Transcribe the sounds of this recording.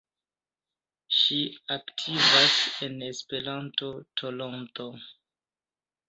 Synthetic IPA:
ʃiaktʰivase̞ne̞spe̞ɾanto̞tʰolonto

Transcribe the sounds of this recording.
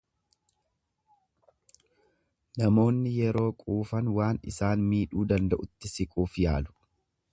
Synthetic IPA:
nɐmo̞ːnːɪjɛɾo̞ːkʼuːfɐnwaːnɪ̰saːnmiːᶑuːd̪ɐnd̪ɐʔʊt̪ːɪsɪkʼuːfjaːlʊ̥

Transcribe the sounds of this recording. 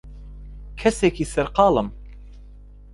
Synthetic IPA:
kʰɛseːkiːsɛɾqɑːlɨm

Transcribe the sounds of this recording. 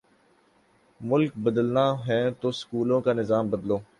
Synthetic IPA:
mʊlk̚bəd̪əlnaɦɛːt̪oskuːlõkanɪzaːmbəd̪loː

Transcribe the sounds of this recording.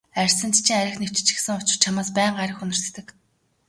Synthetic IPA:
ærʲsə̆nt̪ʰt͡ɕʰĭŋæɾʲɪ̆xnew̥t͡ɕ̆t͡ɕɪ̥̆ksɘ̆ŋʊt͡ɕɪ̆r̥t͡ɕʰamaːspæːɴɢaɾʲə̆xɵnɪ̆rst̪ɘ̆k

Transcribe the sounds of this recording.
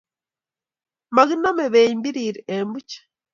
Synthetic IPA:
maɣinomeβeimbiɾiɾeembuce̥

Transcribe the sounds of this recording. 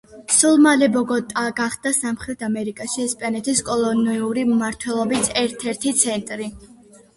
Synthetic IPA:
sulˠmalɛbɔɡɔt̪ʼaɡaχd̪asamχɾɛt̪ʰamɛɾikʼaʃiːspʼanɛt̪ʰiskʼɔlˠɔniuɾimaɾt̪ʰwɛlˠɔbisʰɛɾt̪ʰɛɾt̪ʰit̪sʰɛnt̪ʼɾi

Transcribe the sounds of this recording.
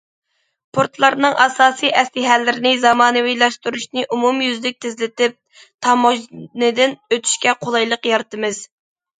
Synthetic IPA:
pʰoɾt̪lˠɑɾnɨŋʔɑsɑːsijʔɛslɪɦælːɪɾɪnɪzɑmɑːnɨwijlˠɑʃt̪uɾuʃnɨʔumumjyzlɪk̚ʲt̪ʰɪzlɪt̪ɪp̚ | t̪ʰɑmoʒnɨd̪ɪnøt̪ʰy̥ʃkʲɛqʰolˠɑjlˠəqjɑɾt̪ɨmɨz̥

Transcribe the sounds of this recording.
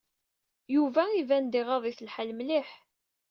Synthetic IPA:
juvæivænd̪iʁɑðˤiθəlħəlmliħ

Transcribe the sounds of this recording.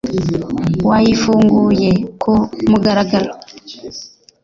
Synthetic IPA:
wajifoŋɡujekʰomuɡaɾaɡal

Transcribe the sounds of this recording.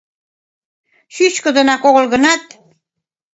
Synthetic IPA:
ʃyɕkə̆d̪ə̆nɑkoɣolɣə̆nɑt̪̚

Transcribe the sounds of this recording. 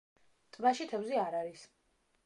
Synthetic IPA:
t̪ʼbaʃit̪ʰɛvziaɾaɾis

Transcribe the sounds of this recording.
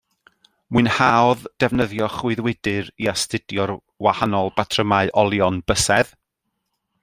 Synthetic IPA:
mɨɨnhaɔðd̥ɛvnəðjɔχwʊɨðwɪdɨɾiastɪdjɔr | wahanɔlˠbatʰrəmaɨʔɔlˠjɔnb̥əsɛð

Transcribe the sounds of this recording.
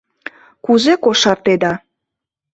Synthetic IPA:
kuzekoʃɑrt̪ed̪ɑ

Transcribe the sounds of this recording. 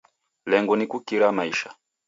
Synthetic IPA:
lɛŋɡɔnikukiɾamaiʃa

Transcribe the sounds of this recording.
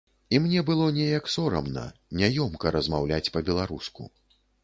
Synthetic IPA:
imnʲɛbɨlˠɔnʲɛjɐksɔɾɐ̰mnɐ̰nʲajɔmkɐɾɐzmawlʲat͡sʲpɐbʲɛlˠaɾuskṵ

